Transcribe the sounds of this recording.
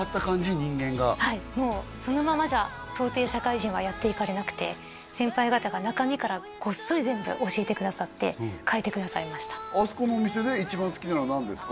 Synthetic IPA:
at̪ːakãɲd͡ʑiɲĩŋɡẽ̞ŋɡahaimo̞ːso̞no̞mamaʑa | t̪o̞ːt̪e̞ːɕakaiʑĩɰ̃βajat̪ːe̞ikaɾe̞nakɯ̟̥t̪e̞ | sẽ̞mpaiɡat̪aɡanakamʲikaɾa | ɡ̥o̞sːoɾʲizẽ̞mbɯ̟̰ʔo̞ɕie̞t̪e̞kɯd̪asat̪ːe̞̰kʰae̞t̪e̞kɯ̟d̪asaimaɕi̥t̪ḁasɨ̥komoːmʲise̞d̪e̞it͡ɕibãsɨ̥kʲinanonãnd̪e̞sɨ̥k

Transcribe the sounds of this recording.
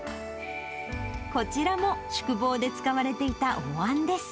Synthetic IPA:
ko̞t͡ɕiɾamo̞ɕɨ̥kɯ̟bo̞ːd̪e̞t͡sɨ̥kaβaɾe̞t̪e̞it̪aoβãnd̪e̞sɨ̥

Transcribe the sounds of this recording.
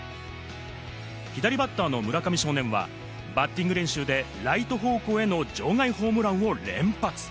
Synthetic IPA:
çid̪aɾʲibat̪ːaːno̞mɯ̟ɾakamʲiɕo̞ːnẽ̞ɰ̃βa̰ | bat̪ʲːĩŋɡɯɾẽ̞ɰ̃ɕɨːd̪e̞ | ɾait̪o̞ɦo̞ːko̞ːe̞no̞d͡ʑo̞ːŋaiho̞ːmɯ̟ɾãɰɯ̃o̞ɾẽ̞̰mpat͡sɨ̥

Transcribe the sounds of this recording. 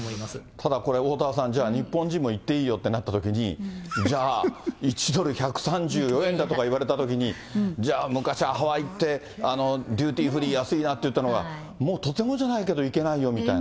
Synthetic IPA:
at̪ʰad̪ako̞ɾe̞o̞ːt̪aːsãɲd͡ʑaːɲ̟ipːõ̞ɲ̟d͡ʑĩmːo̞it̪ːe̞iːjo̞t̪ːe̞nat̪ːat̪o̞kʲiɲ̟id͡ʑaːit͡ɕid̪o̞ɾɯ̟çakɯ̟̥sãɲd͡ʑɨːjo̞ẽ̞nd̪at̪o̞kaiβ̞aɾe̞t̪at̪o̞kʲiɲ̟i | d͡ʑaːmɯ̟kaɕiaɦaβait̪ːe̞ | ano̞d̪ʲɨːt̪ʲiːɸɯ̟ɾʲiːjasɨinat̪ːe̞jɯ̟t̪ːanoɡa̰ | mo̞ːt̪oe̞ŋoʑanaike̞d̪o̞ike̞naijo̞mʲit̪ain

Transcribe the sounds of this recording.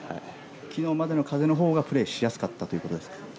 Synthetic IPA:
ha | kʲino̞ːmad̪e̞no̞kaze̞no̞ɦo̞ːɡapɯ̟ɾe̞ːɕijasɨ̥kat̪ːat̪o̞iɯ̟ko̞t̪o̞d̪eskḁ

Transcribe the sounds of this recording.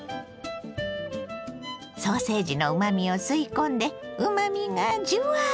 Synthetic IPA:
so̞ːse̞ːʑino̞ɯ̟mamʲio̞sɨikõ̞nd̪e̞ɯ̟mamʲiŋad͡ʑɨa

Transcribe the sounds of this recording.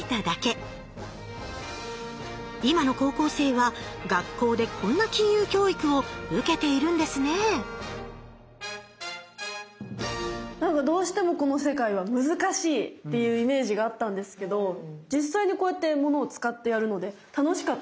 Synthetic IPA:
t̪ad̪ake̞ | imano̞ko̞ːko̞ːse̞ːβaɡakːo̞ːd̪e̞kʰõ̞nːakʲĩɰ̃jɯːkʲo̞ːikɯ̟o̞ɯ̟ke̞t̪e̞iɾɯ̟̃nd̪e̞sɨne̞ | nãŋkad̪o̞ːɕi̥t̪e̞mo̞ko̞no̞se̞kaiβamɯ̟zɨkaɕiːtt̪ːe̞jɯ̟ːime̞ːʑiɡaːt̪ːãnd̪e̞sɨ̥ke̞d̪o̞d͡ʑisaiɲ̟iko̞ːjat̪ːe̞mo̞no̞ːt͡sɨ̥kat̪ːe̞jaɾɯ̟no̞d̪e̞t̪ano̞ɕi̥kat̪ː

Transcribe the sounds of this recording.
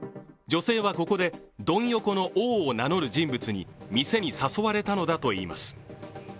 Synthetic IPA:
d͡ʑo̞se̞ːβako̞ko̞d̪e̞ | d̪õ̞ɰ̃jo̞ko̞no̞ʔoːnano̞ɾɯ̟ʑĩmbɯ̟t͡sɨɲ̟ḭmʲise̞ɲ̟isaso̞βaɾe̞t̪ano̞d̪at̪o̞ḭːma̰sɨ̥

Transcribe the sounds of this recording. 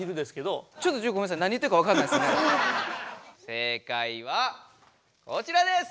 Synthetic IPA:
iɾɯd̪esɨ̥ke̞d̪ot͡ɕot̪ːod͡ʑoːkomẽsãnaɲ̟it̪ːeɯkaβakanaisne | se̞kaiβa | kot͡ɕiɾad̪e̞s

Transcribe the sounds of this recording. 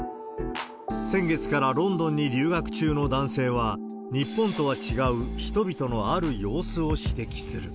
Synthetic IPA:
sẽ̞ŋɡe̞t͡sɨ̥kaɾaɾõ̞nd̪õ̞ɲ̟ːiɾʲɨːɡakɯ̟̥t͡ɕɨːno̞d̪ãɰ̃se̞ːβa | ɲ̟ipːõ̞nt̪o̞βat͡ɕiɡaɯ̟çi̥t̪o̞bʲit̪o̞no̞aɾɯ̟jo̞ːsɨo̞ɕi̥t̪e̞kʲi̥sɨɾɯ̟

